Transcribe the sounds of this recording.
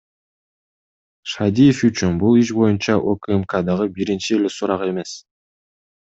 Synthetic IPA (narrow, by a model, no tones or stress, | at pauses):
ʃad̪ijefyt͡ʃynbulˠiʃbo̞junt͡ʃɑʔokɛmkad̪ɑʁɯbiɾint͡ʃielesuɾɑʁe̞me̞s